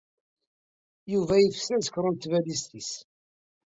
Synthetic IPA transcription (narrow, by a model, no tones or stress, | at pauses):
juvæjəfsæsə̥kɾˤənt̪ːvælist̪is